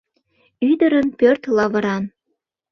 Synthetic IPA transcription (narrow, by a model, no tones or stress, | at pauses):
yd̪əɾənpørt̪lɑβə̆ɾɑn